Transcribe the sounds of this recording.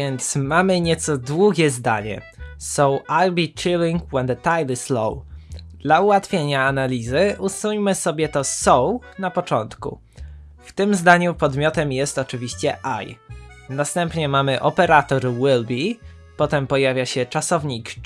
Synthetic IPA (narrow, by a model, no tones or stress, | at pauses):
ɛnt̪smamɘɲɛt̪sɔd̪wuɡʲɛzd̪aɲɛ̰ | sɔwajbʲit͡ɕiliŋkwɛnd̪t̪ajlɨslɔ̰wd̪̥lauwat̪fʲjeɲaːnalʲizɘʔusuɲmɘsɔbʲjɛt̪ɔsɔwnapɔt͡ʂɔnt̪kṵ | ft̪ɘmzd̪aɲupɔd̪mʲjɔt̪ɛmjɛst̪ɔt͡ʂɘvʲiɕt͡ɕɛʔa̰jnast̪ɛmpɲɛmamɘʔɔpɛɾat̪ɔɾwɘlbʲi | pɔt̪ɛmpɔjavʲjaɕɛt͡ʂasɔvɲik